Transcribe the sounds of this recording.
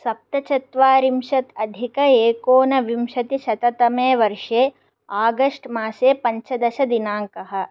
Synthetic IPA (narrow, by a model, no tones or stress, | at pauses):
sɐp̚t̪ɐt͡ʃɐt̪ʋaːɾimʃɐt̪ɐd̪ʱikɐeːkoːnɐʋimʃɐt̪iʃɐt̪ɐt̪ɐmeːʋɐɾʂeː | aːɡɐʂʈmaːseːpɐɲt͡ʃʰɐd̪ɐʃɐd̪inaːŋkɐɦɐ̆